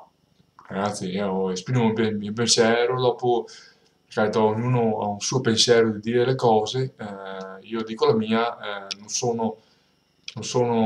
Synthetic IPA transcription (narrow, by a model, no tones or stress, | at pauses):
ɡɾat̪sjeespɾimopemiop̬ensjɛːɾod̪ɔːpo | kat̪ooɲuːnoa̰unsuːopensjɛːɾod̪id̪iːɾelekɔːzeɛiːod̪iːkolamiːanõnsoːno | nonsoːno